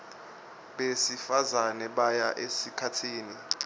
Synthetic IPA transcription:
ɓesifazanɛɓajaʔesikʰatʰiːni

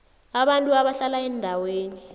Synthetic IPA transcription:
aɓantʼuaɓaɬalaɛndʱaweːni

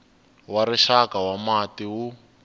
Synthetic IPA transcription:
waɾiʃakawamatiwu

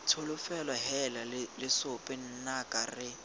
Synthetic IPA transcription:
tʰʊlʊfɛlwaɦɛlalɪlɪsʊpʼɪn̩nakʼarɪ

